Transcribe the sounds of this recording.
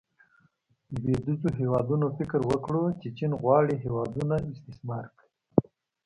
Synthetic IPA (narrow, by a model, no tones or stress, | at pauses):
bed̪uzoɦewɑd̪unofɪkɾwəkɽot͡ʃet͡ʃinɣwɑɽiɦewɑd̪unaɪst̪ɪsmɑɾk | i